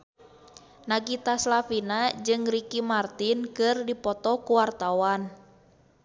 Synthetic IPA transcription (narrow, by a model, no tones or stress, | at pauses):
naɡit̪aslafinad͡ʒɨŋrikimart̪inkɨrdipɔt̪ɔkuwart̪awan